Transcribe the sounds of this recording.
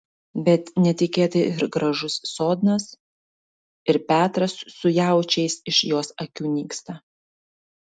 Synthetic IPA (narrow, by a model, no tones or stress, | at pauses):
bʲɛt̪nʲɛt̪ʲɪkʲeːt̪ʲɪɪɾɡɾɐʒʊsːoːd̪nɐs | ɪɾpʲæːt̪ɾɐsːʊjæˑʊt͡ʃʲɛɪsɪʃjoːsɐkʲuːnʲiːkst̪ɐ